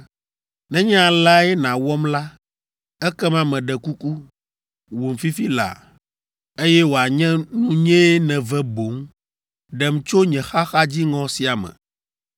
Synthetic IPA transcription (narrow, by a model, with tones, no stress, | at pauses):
nɛ̃˦ɲɛ̃˦a˨la˦ɛ˦nã˨wɔ˦mla˦ | ɛ˦kɛ˦mã˦mɛ̃˨ɖɛ˨ku˦ku˦ | wo˨m̩˨fi˦fi˦la̰˨ | e˦jɛ˦wo˨a˨ɲɛ̃˦nũ˦ɲɛ̃˦nɛ̃˨vɛ˦bo˨˦m | ɖɛ˨m˦t͡ʃo˦ɲɛ̃˨xa˦xa˦d͡ʑi˦ŋɔ̃˨si˨a˨mɛ̰̃˨